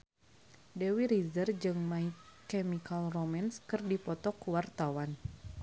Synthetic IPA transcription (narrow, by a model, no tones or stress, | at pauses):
dɛwiɾizərd͡ʒɨŋmaikemikalromɛnskɨrdipɔt̪ɔkuwart̪awan